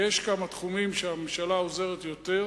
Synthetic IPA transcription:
jeʃkamat̪χumimʃeamemʃalao̞ze̞ʁet̪jo̞t̪e̞ʁ

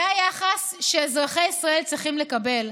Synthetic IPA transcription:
ajaχasʃezʁaχejisʁae̞lt͡sʁiχimle̞kabe̞l

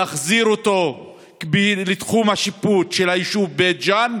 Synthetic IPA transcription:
aχziɾot̪o̞ | kbilet̪χumhaʃiputʃelaiʃuvbet̚d͡ʒan

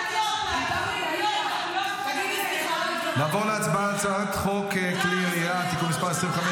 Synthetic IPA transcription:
laːvoʁleat͡sbaat͡saat̪χokekliijat̪ikunmispaʁesʁĩmveχamɛ

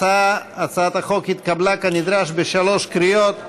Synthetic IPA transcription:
aat͡saat̪haχo̞khit̪kablakanid̪ɾaʃbeʃalo̞ʃkɾijo̞t̪

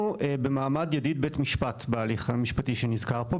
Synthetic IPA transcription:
uebemaːmadjadid̚betmiʃpatbealiχamiʃpatiʃenizkaʁpo

